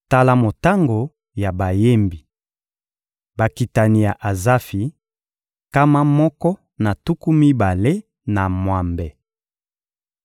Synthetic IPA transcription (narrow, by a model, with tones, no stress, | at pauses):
ta˦la˦mo˨ta˦ŋɡo˨ | ja˨ba˨je˦mbi˨ | ba˨ki˨ta˨ni˨ja˨ʔa˨za˦fi˨ | ka˦ma˦mɔ˦kɔ˦ | na˨tu˦ku˦mi˦ba˨le˦ | na˨mwa˨mbɛ˨